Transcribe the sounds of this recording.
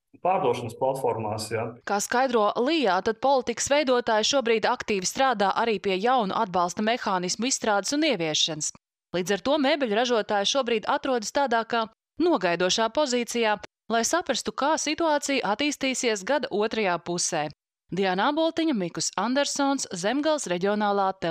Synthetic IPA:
paːɾd̪uɔʃɐnəsplˠat̪fɔɾmaːsjaːkaːskajd̪ɾuɔlˠijaːt̪ad̪̥̚pɔlˠit̪ikə̥svɛjd̪uɔt̪aːjʃuɔbɾiːd̪akt̪iːvist̪ɾaːd̪aːʔaɾiːpiɛjawnṵʔad̪̚bɑlˠst̪ɐmɛxaːnismuisst̪ɾaːd̪əsuniɛviɛʃːanəs | lˠiːd̪aɾt̪uɔmeːbʲɛlʲuɾaʒuɔt̪aːjʃuɔbɾiːd̪at̪ɾuɔd̪st̪aːd̪aːka | nuɔɡajd̪uɔʃaːpɔziːt̪sijaː | lˠajsapɾɐst̪ukaːsit̪uaːt̪sijuʔat̪iːst̪iːsiɛs̬ɡad̪aʔuɔt̪ɾɐjaːpusɛː | d̪ianabɔlˠt̪iɲmikusand̪ɛɾsɔnszɛmɡalˠsɾeɟʲiɔnaːlˠaːt̪ːɛ

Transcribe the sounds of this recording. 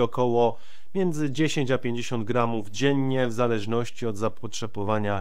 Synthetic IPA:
ɔkɔwɔ | mʲjɛnd̪zɘd͡ʑeɕeɲt͡ɕapʲjeɲd͡ʑeɕɔnd̪̚ɡɾamuvd͡ʑɛɲːɛvzalɛʐnɔɕt͡ɕiɔd̪zapɔtʂɛbɔvaɲa

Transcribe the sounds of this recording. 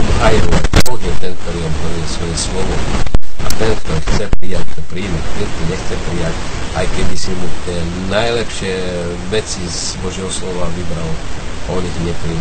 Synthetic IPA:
ɦajɾuɛbɔɣjɛt̪ɛnk̚t̪ɔɾiːɔd̪ɦɔɾujɛsʋɔjɛsʋɔbɔd̪iat̪ɛnkt̪ɔɾixt͡sɛpɾijact̪ɔpɾiːmapɛt̪iɲɛxt͡sɛpɾijacʔajkɛb̪isibɔt̪ɪɛnajlɛpʃɪɛ | ʋɛt͡siz | bɔʒɪɛɦɔslɔʋaʋibɾalaɔɲit̪ɲɛpɾiːm

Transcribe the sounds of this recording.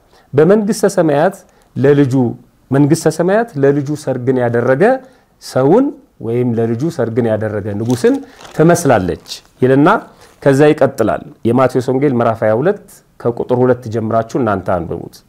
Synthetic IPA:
bəməŋɡɨst̪ʰəsəmajat̪ | ləlɨd͡ʒu | məŋɡɨst̪ʰəsəmajat̪ləlɨd͡ʒusəɾɡɨnjad̪ərːəɡə | səwʊn | wɔjɪmləlɨd͡ʒusəɾɡɨnjad̪ərːəɡənɨɡusɨnt̪ʰəməslalːə̰t͡ʃːjɪlɨnːa | kʰəzːajɪkʼət̪ʼːɨla̰ljɛmat̪ʰoso̞ŋɡe̞lməɾafajahulət̪ː | kʰəkʼut̪ʼɨɾhulət̪ːd͡ʒɛmːɨɾat͡ʃːɛhɨnːant̪ʰa̰nbə̰ɾṵt̪

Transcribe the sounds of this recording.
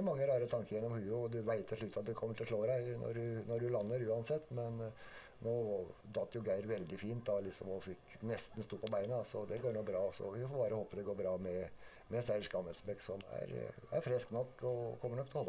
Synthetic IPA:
mɑŋːəɾɑːɾət̪ʰɑŋkəɾjɛnːɔmhʉːd̪ʉʋæɪt̪ʰːɪɭʉt̪ːɑt̪̚d̪ɛkʰɔmːəʈʰɪlʂɭoːɾæɪnʔɔ̰ɾʉnɔɖʉlɑnːəɾʉːɑnsɛt̪ːmɛn | noːd̪ɑt̪ːjʊɡæɪɾʋɛld̪ɪfiːnt̪d̪ɑlɪksɔmɔfɪknɛst̪n̩st̪uːpʰɔbæɪnəɑsɔd̪ɛɡoːɳoːbɾɑːsɔ̰ʋɪfɔɾbɑːɾəhoːpəd̪ɛɡoːɾbɾɑːmɛ | mɛsæʂkɑməlsbɛksɔmæ̰ɾæ̰ɾfɾɛsknɔkːɔkʰɔmːəɳɔkt̪ʰɔhɔlːə

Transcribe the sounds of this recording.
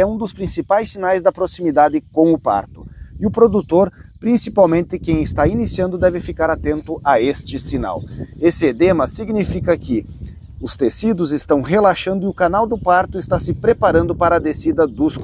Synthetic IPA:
ɛũd̪ʊspɾĩsipajsːinajzd̪ɐpɾosimid̪ad̪ɪkõw̃ʊpa̰ɾt̪ʊ̥ɪʊpɾod̪ut̪oɾpɾĩsipawmẽnt̪ɪkẽj̃ɪst̪ainisiɐ̃nd̪ʊd̪ɛvɪfikaɾat̪ẽnt̪ʊʔaest͡ʃɪsina̰wesɪd̪ẽmɐsiɡnifikɐkɪ | ʊst̪esid̪ʊzɪst̪ɐ̃w̃ɦelaʃɐ̃nd̪ʊɪʊkanawd̪ʊpaɾt̪ʊɪst̪asɪpɾepaɾɐ̃nd̪ʊpaɾɐːd̪esid̪ɐd̪ʊs

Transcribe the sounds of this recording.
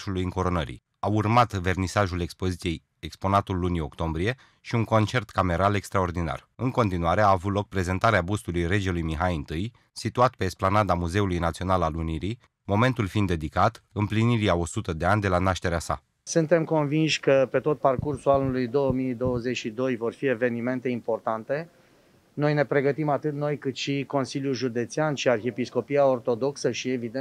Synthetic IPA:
ʃulujiŋko̞ɾo̞nəɾḭ | aurmat̪ve̞rnisaʒule̞kspo̞zit̪sije̞j | ekspo̞nat̪ulːunio̞̰kt̪o̞mbɾije̞ | ʃiuŋko̞nt͡ʃe̞rt̪kame̞ɾale̞kst̪ɾao̞rd̪ina̰r | ɨŋko̞nt̪inuaɾe̞aːvut̪lo̞k̚pɾe̞ze̞nt̪aɾeabust̪ulujre̞d͡ʒe̞lujmiɦajɨnt̪ɨj | sit̪uat̪pe̞ːsplanad̪amuze̞ulujnat̪sio̞nalaluniɾi | mo̞me̞nt̪ulfind̪ed̪ikat̪ɨmpliniɾiao̞sut̪əd̪e̞anʲd̪elanaʃt̪e̞ɾeasa̰ | sɨnt̪e̞mko̞nvinʃʲkəpe̞t̪o̞t̪̚parkursulanulujd̪o̞wəmid̪o̞wəzet͡ʃʲʃid̪o̞jvo̞rfie̞ve̞nime̞nt̪e̞impo̞rt̪ant̪e̞ | no̞jne̞pɾe̞ɡət̪imat̪ɨt̪no̞jkɨt̪ʃiko̞nsiljulʒud̪e̞t̪sianʃiarxepisko̞piao̞rt̪o̞d̪o̞ksəʃievid̪e

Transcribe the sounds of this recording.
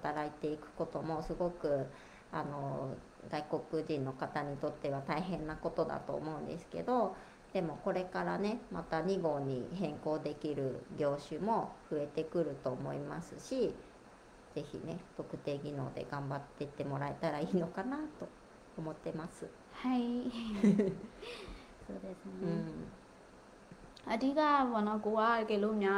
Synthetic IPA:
hat̪aɾait̪e̞ikɯ̟̥ko̞t̪o̞mo̞sɨɡo̞kɯ̟ | ano̞ | d̪aiko̞kɯ̟ʑĩnːo̞kat̪aɲ̟it̪o̞t̪ːe̞β̞at̪aiɦẽ̞nːako̞t̪o̞d̪a̰t̪o̞̰ːmo̞ɯ̟̃nd̪e̞̰sɨ̥ke̞̰d̪o̞ | d̪̥e̞mo̞ko̞ɾe̞kaɾa̰ne̞mat̪aɲ̟iɡo̞ːɲ̟iɦẽ̞ŋko̞ːd̪e̞kʲiɾɯ̟ɡʲo̞ːɕɨmo̞ɸɯ̟e̞t̪e̞kɯ̟ɾɯ̟t̪o̞ːmo̞imasɨɕi | z̥e̞çḭne̞t̪o̞kɯ̟t̪e̞ːɡʲino̞̰ːd̪e̞̰ɡãmbat̪ːe̞t̪e̞mo̞ɾaet̪aɾaiːno̞kanat̪o̞ | omo̞t̪ːe̞masɨ | hai | soːd̪esɨneɯ̃ː | aɾʲiɡaβanãkoakelomɲʲa

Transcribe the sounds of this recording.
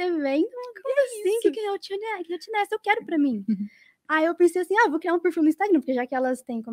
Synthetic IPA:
evẽj̃uɐkojzɐsisĩkɪkɪewt͡ʃinkɪewt͡ʃĩnɛsewkɛɾʊpɾɐmĩ | aiewpẽsejasĩavowkɾiaɾũpeɾfiw̃nĩst̪aɡnɐpoɾkeʒakɪɛlɐst̪ẽj̃kõ

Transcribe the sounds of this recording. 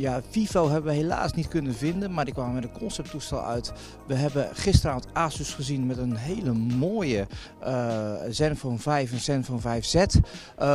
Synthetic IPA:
jafifowɦɛbənʋəɦela̰ːsnitkɵnəvɪndənmaːɹdikʋaːməmɛdənkɔnsɛp̚tustɛ̰lˠœ̰ɥt | ʋəɦɛbəχɪstəraːvəntaːsysχəzinmɛtənɦeːləmoːjə | zɛnfɔnvɛjfənsɛnfɔnvɛjfz̥ɛt

